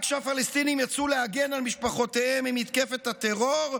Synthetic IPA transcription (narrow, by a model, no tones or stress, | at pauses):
kʃafalest̪inimjat͡suleaɡenalmiʃpaχo̞t̪ehemimit̪ke̞fet̪at̪eʁoʁ